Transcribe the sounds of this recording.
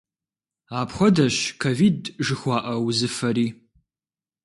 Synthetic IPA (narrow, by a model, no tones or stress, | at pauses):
aːpxʷɔdɐɕkʰoviːdʒɨxʷɑːʔɐwzɨfɐɾiː